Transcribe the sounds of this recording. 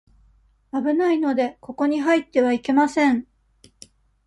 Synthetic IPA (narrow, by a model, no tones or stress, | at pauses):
abɯ̟naino̞d̪e̞ko̞ko̞ɲ̟iɦait̪ːe̞βaike̞masẽ̞ɴ